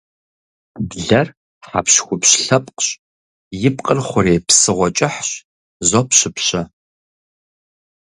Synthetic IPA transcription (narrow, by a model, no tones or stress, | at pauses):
dɮɐr | ħa̰pɕxʷʊpɕɬɐpʼqɕ | jɪpqʼərχʷʊɾeːpsɨʁʷɔt͡ʃʼɪħɕ | zopɕɪpɕɐ